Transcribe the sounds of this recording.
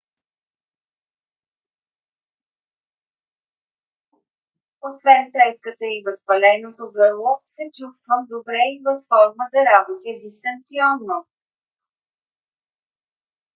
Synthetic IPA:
osvɛnt̪ɾɛskət̪əivəspɐlɛnot̪oɡɤɾlˠosɛt͡ʃust̪vəmd̪obɾɛivəfːɔɾməd̪ɐɾabot̪ɛd̪ist̪ənt̪siɔnːo

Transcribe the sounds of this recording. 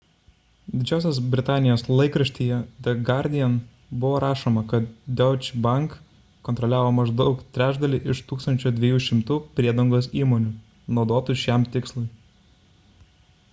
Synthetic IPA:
d̪ʲɪd͡ʒʲæʊsʲɛs̬bʲɾʲɪt̪ɑːnʲɪjoːslˠɐɪkɾɐʃʲt̪ʲiːjɛd̪ʲɛɡɑɾʲd̪ʲɪɛn | bʊʋoːɾʔɑːʃoːmɐkɐt̪̚d̪ʲɛʊt͡ʃʲbɐŋkː | ɔːnt̪ɾɔlʲæːʋoːmɐʒd̪ɒʊkt̪ʲɾʲæːʒd̪ɐlʲɪʔɪʃt̪uːkst̪ɐnʲt͡ʃʲʊd̪ʲʋʲɛjuːʃʲɪmt̪uːpʲɾʲiɛd̪ɐŋɡoːsiːmoːnʲʊ | nɒʊd̪oːt̪uʃʲæmt̪ʲɪkslˠʊɪ

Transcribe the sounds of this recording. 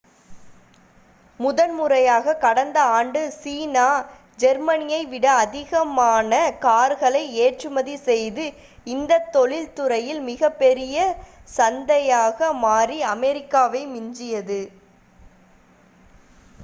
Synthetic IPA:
mʊðɐnmʊrɐjaːɣɐkɐɽɐnd̪ɐaːɳɖɯsiːnaː | d͡ʒɛɾmɐnɪjɐɪʋɪɽɐːðɪɣɐmaːnɐkaːɾɣɐɭɐɪeːʈrɯmɐðisɛjðɯ | ɪnd̪ɐt̪ːɔɭɪlt̪ɯɾɐjɪlmɪɣɐpːɛɾɪjɐsɐnd̪ɐjaːɣɐmaːriɐmɛɾɪkːaːʋɐɪmɪɲd͡ʒɪjɐðɯ

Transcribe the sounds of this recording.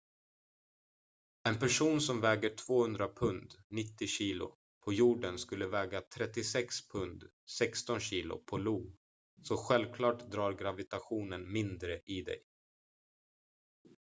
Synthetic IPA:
ɛnpæʂuːnsɔmvɛːɡəʈʰv̥oːhɵnd̪ɾapʰɵnd̪nɪt̪ːɪɕiːlʊ̰ | pʰɔjuːɖənskɵlːəvɛːɡat̪ʰɾɛt̪ːɪsɛkspʰɵnd̪ | sɛkst̪ɔnɕiːl̪ʊ̰pʰɔluː | sɔɧɛlvkʰlɑːʈd̪ɾɑːɾɡɾavɪt̪aɧuːnənmɪnd̪ɾəʔɪd̪ɛ̰j

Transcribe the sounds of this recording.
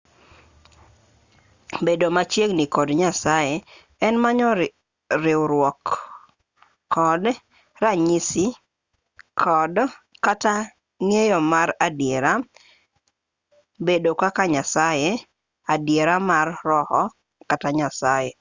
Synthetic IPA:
bedomat͡ʃjeɡnikɔdɲasaje | ɛnmaɲɔ | ɾɪwɾwɔk | ɔd | ɾaɲisi | kʰɔdkata | ŋejɔmaɾadjeɾa | bedokakaɲasaje | adjeɾamarːɔhɔ | kataɲasaje

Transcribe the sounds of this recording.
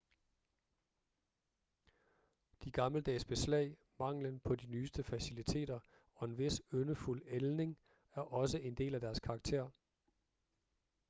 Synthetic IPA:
d̥iɡ̥ɑ̈mləd̥ɛ̰ːsb̥e̝slɛ̰ɪ̰ | mɑ̈ŋ̰lənpʰɒ̽dinyːsd̥əfæsilit͡sʰe̝̰ːd̥ɐ | ɒ̽e̝nʋe̝sønəful̰elne̝ŋ | æɐʔɒ̽səʔe̝nd̥e̝̰ːlæd̥æɐskʰɑ̈ːɡ̥̚t͡sʰe̝̰ɐ̰

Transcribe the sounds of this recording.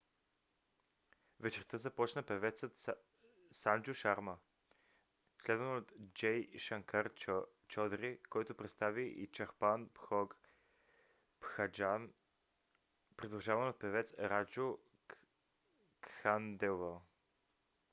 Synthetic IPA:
ʋet͡ʃert̪əzapot͡ʃnapeʋet̪sat̪ | sand͡ʒuʃaɾma | ʃled̪anod̪d͡ʒejʃaŋkaɾ | t͡ʃod̪ɾikoit̪opɾet̪st̪aʋiʔit͡ʃaxpanpxoɡ | pxad͡ʒan | pɾid̪uʒaːvanod̪̚peʋet̪sɾad͡ʒu | kxand̪ɛva

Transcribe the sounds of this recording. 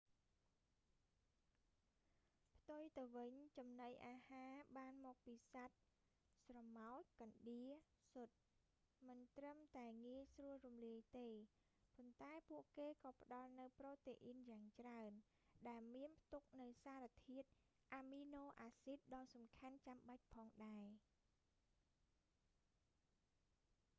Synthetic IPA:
pʰt̪ujt̪ɨwʋɨɲt͡ɕɑmnəjʔaːhaːɓaːnmɔːk̚piːsat̪̚ | srɑmaɔc̚kɑnɗiə | sʊt̪̚ | mɨnt̪rəmt̪aɛŋiəjsruəlrumliəjt̪eː | pont̪aɛpuəʔkeːkɑːpə̆ɗɑlnɨwprɔːt̪eːʔinjaːŋt͡ɕraən | ɗaɛlmiənpʰt̪uk̚nɨwsaːɾat̪ʰiət̪̚ | ʔamiːnoːʔaːsit̪̚ɗɑːsɑmkʰant͡ɕamɓac̚pʰɑːŋɗaɛ

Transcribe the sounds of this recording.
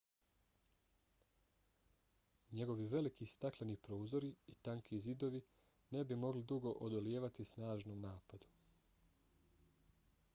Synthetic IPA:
ɲe̞ɡo̞ʋiʋe̞likist̪akleniːpɾoːzo̞ɾiit̪aŋkʰizid̪o̞ʋi | ne̞bimo̞ɡlid̪uɡo̞ʔod̪oljeːʋat̪isnaːʒnoːmnaːpad̪u̥

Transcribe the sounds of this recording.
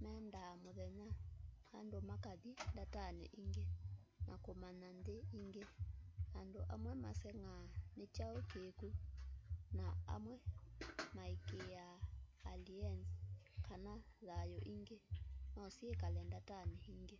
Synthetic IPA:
mɛndamoðɛɲaha̰ndomakaðindatanɛ̰ʔiŋɡe | nʔakomanandeiŋɡeandoʔa̰mwɛmasɛŋanet͡ʃaokeku | naa̰mwɛmaikeaːliɛnskanaðajɔʔiŋɡenɔsiekalɛndatanɛiŋɡe

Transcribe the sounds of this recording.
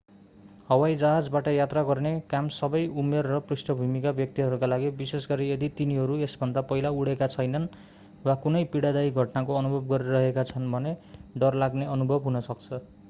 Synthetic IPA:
hʌwajd͡zaɦad͡zbaʈʌjat̪raɡʌrnekamsʌbʌjumerːʌprisʈʌbʱumikabjʌk̚t̪iɦʌɾukalaɡibisesɡʌɾijed̪it̪iniɦʌɾuesbʱʌnd̪apʌjlauɽekat͡sʰʌjnʌn | wakunʌjpiɽad̪ajɡʱʌʈnakoʌnubʱʌbɡʌɾiɾʌɦekat͡sʰʌnbʱʌneɖʌrlaɡneʌnubʱʌbɦunʌsʌk̚t͡sʰʌ

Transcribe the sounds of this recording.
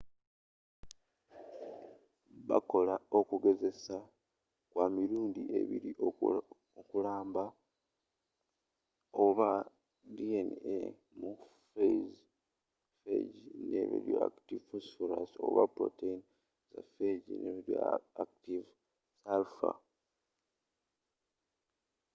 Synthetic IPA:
βako̞lao̞kuɡe̞ze̞sa | kwamiɾuːndiʔe̞̰βiɾio | okulaːmba | oβa | dienḛ | mu | fez | fḛɟinḛβḭɾjo̰a̰ktivfosfoɾaso̰βa̰pɾo̰tein | zafeɟineβiɾjo̰aktiv | salfa̰

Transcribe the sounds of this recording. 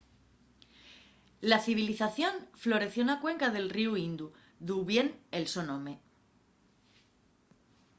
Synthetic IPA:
laθiβ̞iliθaθjo̞nflo̞ɾe̞θjonakwe̞ŋkaðe̞lriuind̪u | ðuβje̞nelso̞nõ̞me̞

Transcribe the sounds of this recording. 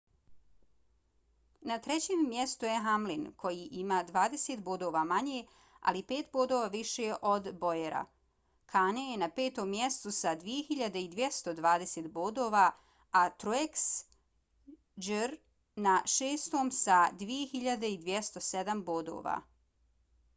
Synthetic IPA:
nat̪ɾet͡ɕeːmːjest̪ujeɦamlinkʰo̞jiʔimaːd̪ʋaːd̪e̞set̪boːd̪oʋamaɲe | a̰lipe̞ːt̪boːd̪oːʋaːʋiʃeʔod̪bo̞jeɾa̰ | kʰaːnejenape̞ːt̪o̞mːjest̪usad̪ʋije̞xiʎad̪eid̪ʋjest̪o̞d̪ʋaːd̪eseːt̪boːd̪oːʋa | at̪ɾoeks | d͡ʒəɾ | naʃeːst̪o̞ːmsad̪ʋije̞xiʎad̪eid̪ʋjest̪o̞sed̪amboːd̪o̰ːʋa̰ː

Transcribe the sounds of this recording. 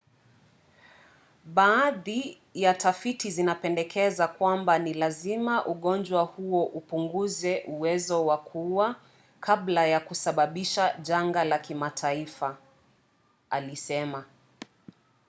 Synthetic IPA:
ɓaːði | jatafitizinapɛndɛkʰɛzakwambanilazimaʔuɠɔnd͡ʒwahuɔʔupuŋɡuzɛʔuwɛzɔwakʰuwa | kʰablajakusaɓaɓiʃaʄaŋɡalakimatʰaifa | alisɛma

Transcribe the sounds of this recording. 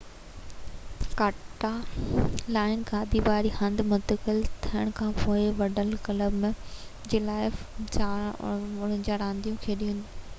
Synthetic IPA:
kaːʈːa | laːɪnkʰãːd̪iʋaːɾihɐ̃nd̪mʊ̃nt̪əkɪlt̪ʰijəɽ̃kʰãːpoːɪʋɐɖəlkɐləbm̃d͡ʑeːlaːɪt͡ɕa | ʊn̤ə̃d͡ʑaːɾãːnd̪ijũkʰeːɗiːũːnd̪

